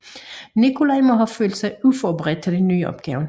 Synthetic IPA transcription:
nikʰʊlɑɪmɔɦɑføːld̥sɑɪufɒbəʁɛd̥̚t͡sʰeliny̰ːɒ̰b̥ɡ̥ɛ̰ːʊn

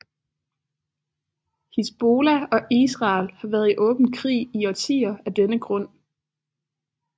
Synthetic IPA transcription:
hisb̥o̝ːlæɒ̽ʔisʁɑ̈lhɑ̈ʋæːɐð̞̩ˠiʔɔ̽ːb̥n̩kʰʁḭːiɒt͡sʰḭːɐæd̥enəɡ̥ʁɔ̽n̰

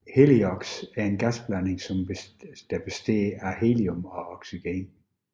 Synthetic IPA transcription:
heliɒɡ̥sæɐe̝nɡ̥æsb̥læne̝ŋsɒmd̥æb̥e̝sd̥ḛːɑɦeliomɒ̽ɒɡ̥siɡ̥en

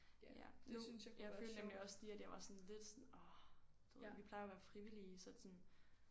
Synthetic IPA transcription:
jæ̰ojɑ̈ɪføːldnemliɒ̽sd̥iæd̥jɑ̈ɪʋɑ̈sɔ̽nle̝d̥sɔnɒd̥uð̰ʋipʰlɑ̈ɪɐʋæːɐfʁiʋiliːsɒ̽d̥sɔn

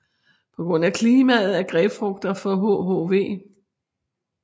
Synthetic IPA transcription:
pʰɒ̽ɡ̥ʁɔ̽n̰ækʰliːmæð̩ˠæɐɡ̥ʁɛːfʁɔɡ̥̚d̥ɐfɒ̽ɦoɦoʋe̝̰ː

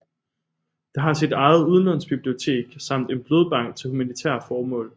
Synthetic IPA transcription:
d̥ɑ̈ɦɑ̈sid̥ɑ̈ɪð̞̩ˠuð̞ˠnɒ̽nsb̥ib̥lio̝t͡sʰe̝̰ːɡ̥sɑ̈m̰d̥e̝nb̥lo̝ðˠb̥ɑ̈ŋ̰ɡ̥̚t͡sʰe̝lhumænit͡sʰɛ̰ɐfɒːmɔ̰̽ːl

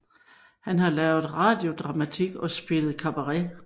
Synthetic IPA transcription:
hænɦɑ̈lɛʊð̩ˠʁɑ̈ːd̥jo̝d̥ʁɑ̈mæt͡sʰiɡ̥ɒ̽sb̥e̝lð̩ˠkʰɑ̈b̥ɐʁɛ

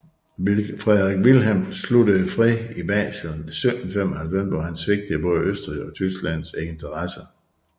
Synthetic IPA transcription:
fʁɛðˠʁeɡ̥ʋilɦemslud̥əfʁiib̥ɛ̰ːslnsø̥nfem̰ɒhælfem̰b̥ɐɦænsʋe̝ɡ̥̚d̥əb̥ɔ̽ːðˠəøsd̥ʁiɒ̽t͡sʰysɡ̥læn̰seent͡sʰɐʁɑsɐ

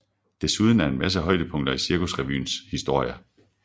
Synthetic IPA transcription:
d̥e̝suð̞ˠn̩æɐe̝nmæs̬əɦɒ̽ɪ̰d̥əpʰɔ̽ŋ̰d̥ɐisiɐkusʁɛʋy̰ːnshisd̥o̝ɐ̰jə

